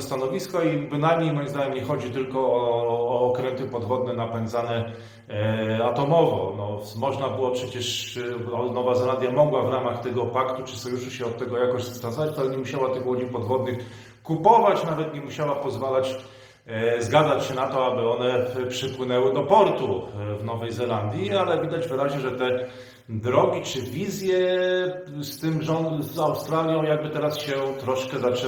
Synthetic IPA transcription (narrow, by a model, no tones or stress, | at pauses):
st̪anɔvʲiskɔibɘnajmɲejmɔjimzd̪aɲɛmɲɛxɔd͡ʑit̪ɘlkɔː | kɾɛnt̪ɘpɔd̪vɔd̪nɛnapɛnd̪zanɛ | at̪ɔmɔvɔ̰nɔmɔʐnabɘwɔpʂɛt͡ɕɛʂɔnɔvazɾad̪ʲjamɔɡwavɾamaxt̪ɛɡɔpakt̪ut͡ʂɘ̥sɔjuʂuɕɛɔt̪ːɛɡɔjakɔʑzast̪anzɔvat͡ɕt̪alɛɲɛmuɕawat̪ɘxwɔd͡ʑipɔd̪vɔd̪̚nɘx | kupɔvat͡ɕnavɛt̪ɲɛmuɕawapɔzvalat͡ɕ | zɡad̪zat͡ɕɕɛnat̪ɔabɘɔnɛpʂɘpwɘnɛwɘd̪ɔpɔɾt̪uvnɔvɛjzɛland̪ʲjialɛvʲid̪ad͡ʑvɘɾaʑɲɛʐɛt̪ɛ | d̪ɾɔɡʲit͡ʂɘvʲizʲjɛ | st̪ɘmʐɔnzawst̪ɾalʲjɔ̃w̃jaɡ̚bɘt̪ɛɾasɕɛt̪ɾɔʂkɛzat͡ʂɛ